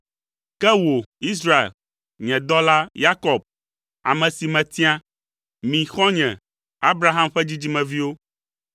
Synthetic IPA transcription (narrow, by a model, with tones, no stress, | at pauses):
kɛ˦wo˨i˦s̬ɾa˦ḛ˨l | ɲɛ̃˨d̪ɔ˦la˦ja˦kɔ˨b̚ | a̰˨mɛ̃˨si˨mɛ̃˨t̪i˦a˦ | mĩ˨xɔ̃˦ɲɛ̰̃˨ | a˦bɾa˦˨ɦa˦mɸɛ˦d͡ʑi˦d͡ʑi˦mɛ̃˨vi˦wo˦